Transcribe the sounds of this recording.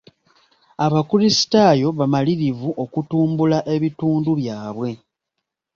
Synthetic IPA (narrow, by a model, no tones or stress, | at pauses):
aβakuɾisi̥taːjo̞βamaliɾivuʔo̞kutuːmbulaʔe̞βituːnduβjaːβwe̞